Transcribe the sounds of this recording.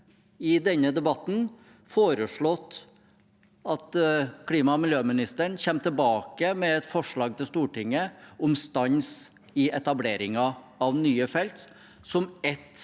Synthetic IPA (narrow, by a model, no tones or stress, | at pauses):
ɪd̪ɛnːəd̪ɛbɑt̪ːn̩ | foːɾəʂɭɔt̪ː | ɑt̪kʰliːmɑmɪljøːmɪnɪst̪əɳçɛmːt̪ʰɪlbɑːkəmɛɛt̪fɔʂɭɑːɡ̚t̪ʰɪlst̪uːʈɪŋːəɔmst̪ɑns | ɪɛt̪ɑbleːɾɪŋɑ | ɑʋnyːəfɛlt̪ | sɔmɛt̪